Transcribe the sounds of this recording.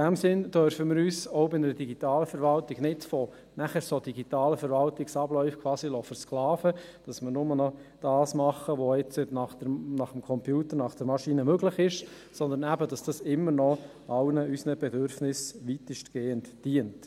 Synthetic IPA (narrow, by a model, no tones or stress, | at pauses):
ɪd̥æmsɪnd̥œɾfəmɪːɾyːsɔbɪnəɾəd̥iɡitɑːləfəɾʋɑltiɡ̥nɪtfɔ | næχəɾsod̥iɡitɑːləfəɾʋɑltɪksɑb̥lœʏfkʰʋɑːsilɔfəɾsklɑːfəd̥ɑsmɪɾnʊmənɔd̥ɑːsmɑχːəʋɔɪt͡sənɑχd̥ɛnɑχəmkʰɔmpjuːt̪əɾnɑχd̥ɛɾmɑʃinəmøɡlɪχɪʃ | sɔnd̪ənæbəd̥ɑsd̥ɑsɪmːəɾnɔ | ʔɑwnəysnəb̥ɛdøɾfnɪsʋitəʃtɡ̥eːəntd̥iənt